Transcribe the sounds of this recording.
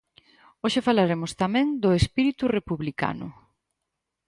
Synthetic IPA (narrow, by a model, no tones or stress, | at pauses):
oʃefalaɾemʊst̪amɛ̃ŋd̪ʊespiɾit̪urepuβlika̰nʊ̰